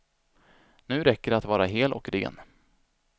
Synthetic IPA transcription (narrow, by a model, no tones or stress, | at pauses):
nʉ̟ːɾɛkːəɖat̪vɑːɾaɦeːlɔ̰kɾḛːn